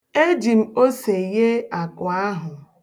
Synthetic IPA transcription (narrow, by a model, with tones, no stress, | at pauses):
e˦d͡ʒi˨m̩˦o˦se˨je˦a˨kʊ˨a˦ɦʊ˨